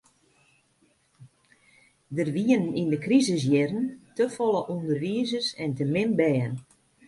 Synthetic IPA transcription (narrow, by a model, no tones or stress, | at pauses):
dərʋiənnindəkrizɪsjɪrəntəfɔlˠəʔundərʋiəzərsɛntəmɪnbɛːən